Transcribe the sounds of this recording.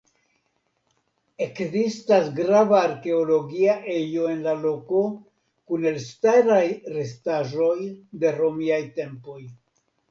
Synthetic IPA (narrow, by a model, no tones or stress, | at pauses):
e̞kzistasɡɾavaːɾke̞olo̞ɡiaʔe̞jo̞e̞nlalo̞ko̞ | kune̞lstaɾajɾe̞staʒo̞jde̞ɾo̞miajte̞mpo̞j